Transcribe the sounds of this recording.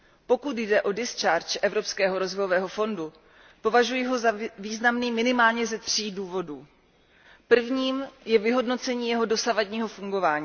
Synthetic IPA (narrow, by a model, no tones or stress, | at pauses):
po̞kut̪jdɛʔo̞dɪst͡ʃaɾt͡ʃʔɛvɾo̞pskɛːɦo̞ɾo̞zvojovɛːɦo̞fo̞ndu | po̞vaʒujɪɦo̞zaviːznamniːmɪnɪmaːlɲɛzɛt̪r̝̥iːduːvo̞duː | pr̩vɲiːmjɛvɪɦo̞dno̞t͡sɛɲiːjɛɦo̞do̞savadɲiːɦo̞fuŋɡo̞vaːɲiː